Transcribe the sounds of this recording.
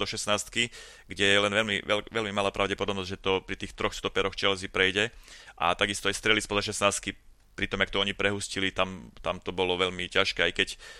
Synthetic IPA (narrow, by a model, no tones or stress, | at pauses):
d̪ɔʃɛsnaːst̪ki | ɡɟɛjɛlɛnʋɛlmḭɛlʋɛlmimalaːpɾaʊɟɛpɔd̪ɔbnɔzɟʒɛt̪ɔpɾit̪iːxt̪ɾɔxst̪ɔpɛɾɔxt͡ʃɛlɛzipɾɛjɟɛʔa̰t̪aɡist̪ɔajst̪ɾɛlispɔzaʃ̬ɛsnaːst̪̚ki | pɾit̪ɔmak̚t̪ɔɔɲipɾɛɦuscilit̪amt̪amt̪ɔbɔlɔʋɛʎmicaʃkɛːajkɛc